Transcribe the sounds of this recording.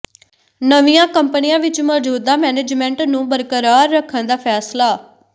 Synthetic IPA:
nəʋijãːkəmpənijãːʋɪt͡ʃmɔːd͡ʒuːd̪aːmɛːneːd͡ʒmɛ̃ɳʈnũːbəɾkəɾaːɾːəkʰːənd̪aːpʰɛːslaː

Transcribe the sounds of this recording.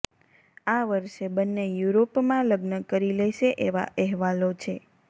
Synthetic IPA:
aʋəɾʃebənːejuɾopmãləɡnəkəɾilɛʃeʔeʋa̰ʔɛɦʋalot͡ʃʰe

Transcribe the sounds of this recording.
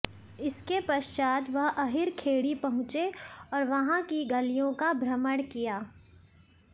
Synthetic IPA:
ɪskepɐʃt͡ʃaːd̪ʋɐɦɐɦɪɾkʰeːɽipɐɦʊ̃t͡ʃeɔːɾʋɐɦãkiɡɐlijõkabʱɾɐməɽkijaː

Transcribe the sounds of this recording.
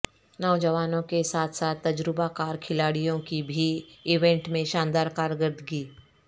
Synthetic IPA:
nɔːd͡ʒəʋaːnõkesaːt̪ʰsaːt̪ːɐd͡ʒɾɪbakaːɾkʰɪlaːɽijõkibʱiɪʋẽɳʈmẽʃãːnd̪aːɾkaːɾɡəɾd̪ɡiː

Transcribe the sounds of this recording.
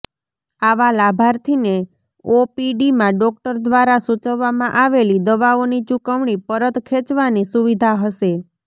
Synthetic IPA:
aʋalabʱaɾt̪ʰine | opiɖimãɖɔk̚ʈəɾd̪ʋaɾasut͡ʃəʋːamãʔaʋelid̪əʋaonit͡ʃukəʋɳ̃ipəɾət̪kʰet͡ʃʋanisuʋid̪ʱaɦəʃe

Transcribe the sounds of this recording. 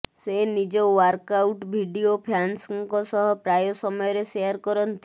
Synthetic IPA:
senid͡ʒɔwaɾkawʈbʱiɖiopʰjansɔŋkɔsɔɦɔpɾajɔsɔmɔjɔɾeseaɾkɔɾɔnt̪i

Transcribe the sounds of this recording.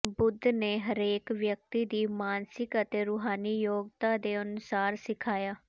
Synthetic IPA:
bʊd̪ʱːneːɦəɾeːkʋjək̚t̪iːd̪iːmaːnsɪkət̪eːɾuːɦaːniːjoːɡt̪aːd̪eːənʊsaːɾsɪkʰaːjaː

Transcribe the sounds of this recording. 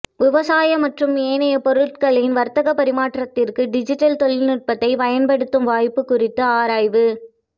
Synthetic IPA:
ʋɪʋɐsaːjɐmɐʈrɯmeːnɐjɐpɔɾɯʈ̚kɐɭɪnʋɐɾt̪ɐɣɐpːɐɾɪmaːʈrɐt̪ːɪrkɯɖɪd͡ʒɪʈːɐlt̪ɔɭɪlnɪʈ̚pɐt̪ːɐɪpɐjɐnpɐɽɯt̪ːɯmʋaːjpːɯkːʊrɪt̪ːɯaːɾaːjʋɯ

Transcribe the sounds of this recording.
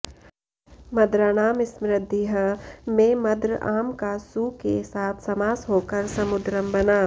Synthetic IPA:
mɐd̪ɾaːnaːmɪsmɾɪd̪ʱiɦəmẽmɐd̪ɾəaːmkasuːkesaːt̪ʰsɐmaːsɦoːkɐɾsɐmʊd̪ɾəmbɐnaː

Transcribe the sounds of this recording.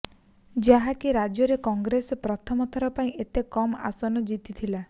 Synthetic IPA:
d͡ʒaɦakiɾad͡ʒjɔɾekɔŋɡɾesɔpɾɔt̪ʰɔmɔt̪ʰɔɾɔpaĩʔet̪ekɔma̰sɔnɔd͡ʒit̪it̪ʰila

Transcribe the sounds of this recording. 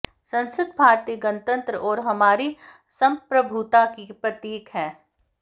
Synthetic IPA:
sɐ̃nsəd̪bʱaːɾt̪iːɡɐnt̪ə̃nt̪ɾəʔɔːɾɦɐmaːɾi | sɐ̃mpɾəbʱuːt̪akipɾɐt̪iːkɦɛ̃ː

